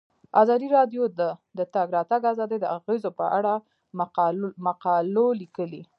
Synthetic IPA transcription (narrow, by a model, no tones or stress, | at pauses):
ɑzɑd̪iɾɑd̪jod̪əd̪ət̪aɡɾɑt̪aɡazɑd̪əjd̪əaɣezopəʔaɽa | maqɑlolikəli